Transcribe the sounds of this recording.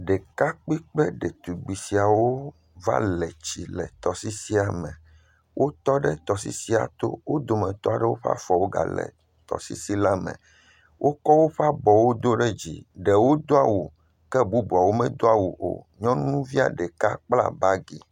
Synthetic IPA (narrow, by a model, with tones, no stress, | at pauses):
ɖɛ˨ka˦k͡pi˦k͡pɛ˦ɖɛ˨t̪u˨ɡ͡bi˨si˨a˨wo˦ | va̰˦lɛ˨t͡ɕi˨lɛ̰˨t̪ɔ˨si˦si˦a˨mɛ̃˨ | wʔo˦t̪ɔ˦ɖɛ˦t̪ɔ˨s̬ḭ˦si˦a̰˨t̪o̰˦wo˦d̪o˨mɛ̃˨t̪ɔ˦a˨ɖɛ˦wo˦ɸa̰˦fɔ˨wo˦ɡa̰˨lɛ̰˨ | t̪ɔ̰˨sḭ˦si˦la˦mɛ̰̃˨ | wʔo˦kɔ˦wo˦ɸa˦bɔ˨wo˦d̪o˦ɖɛ˦d͡ʑḭ˨ɖɛ˨wo˦d̪o˦a˨wu˨ | kɛ˦bu˦bu˨a˨wo˦mɛ̃˦d̪o˦a˦wu˨ʔo̰˨ɲɔ̃˦nũ˦vi˦a̰˨ɖɛ˨ka˦k͡pla̰˦˨ba˦ɡi˨